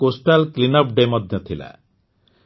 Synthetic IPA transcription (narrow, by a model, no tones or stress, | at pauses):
kosʈalklinɔp̚ɖemɔd̪ʱjɔt̪ʰila̰